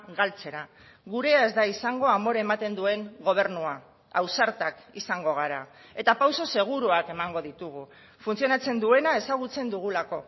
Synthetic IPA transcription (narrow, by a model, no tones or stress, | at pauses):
ɣalt͡se̞ɾa | ɣuɾe̞ae̞zd̪aisaŋɡo̞amo̞ɾaemat̪e̞nd̪ue̞ŋɡo̞β̞e̞ɾnua | awsaɾt̪ak | isaŋɡo̞ɣ̞aɾa | e̞t̪apawso̞se̞ɣ̞uɾuake̞maŋɡo̞ðit̪uɣu | funt͡sio̞nat͡se̞nd̪ue̞nae̞saɣ̞ut͡se̞nd̪uɣ̞ulako̞